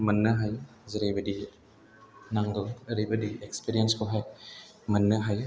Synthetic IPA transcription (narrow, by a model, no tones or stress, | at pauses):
mɐnːɐɦaj | zɐɾejbɐdi | naŋd̪ɔɐɾejbɐdiekspiɾijənskɔɦaj | mɐnːəɦaj